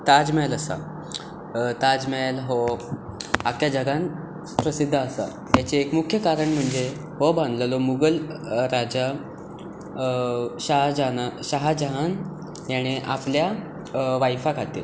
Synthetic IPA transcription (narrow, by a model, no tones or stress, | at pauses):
t̪ad͡zmɛləsa̰ | t̪ad͡zmɛlɦo | akjad͡ʑəɡãn | pɾəsid̪ʱːəːsa̰ | jjat͡seːkmukʰjəkaɾəɳm̤əɳd͡ze | ɦobãnd̪ləlomuɡəlɾad͡ʑa | ɕaɦd͡ʑanaɕaɦad͡ʑaɦan | jaɽ̃iʔaplja | ʋajfakʰat̪e